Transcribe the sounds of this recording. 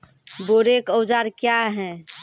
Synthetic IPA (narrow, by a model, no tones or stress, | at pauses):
boɾekəwd͡ʒaɾkjaɦɛ̃